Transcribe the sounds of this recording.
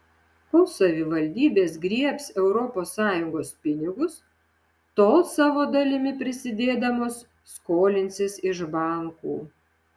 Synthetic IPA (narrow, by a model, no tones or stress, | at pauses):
koːsɐʋʲɪʋɐlʲd̪ʲiːbʲeːsɡɾʲiɛpsɛʊɾɔpoːsːɑːjʊŋɡoːspʲɪnʲɪɡʊs | t̪oːsɑːʋoːd̪ɐlʲɪmʲɪpʲɾʲɪsʲɪd̪ʲeːd̪ɐmoːsː | koːlʲɪnʲt̪sʲɪsɪʒbɑˑŋkṵː